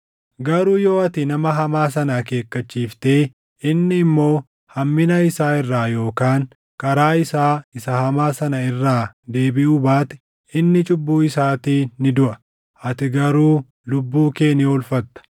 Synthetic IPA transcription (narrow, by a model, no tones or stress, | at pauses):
ɡɐɾuːjo̞ːɐt̪ɪnɐmɐɦɐmaːs̬ɐnake̞ːkːɐt͡ʃːiːft̪e̞ː | ɪnːɪːmːo̞ː | hɐmːɪnɐɪsaːɪrːaːjo̞ːkaːŋ | kʼɐɾaːɪsaːɪsɐhɐmaːsɐnɐɪrːaːd̪e̞ːbɪʔubaːt̪ɪ̥ | ɪnːɪt͡ʃʼʊbːuːɪsaːt̪iːnɪd̪ʊʔɐ | ʔɐt̪ɪɡɐɾuː | lʊbːuːkeːniːɔlfɐt̪ːɐ̥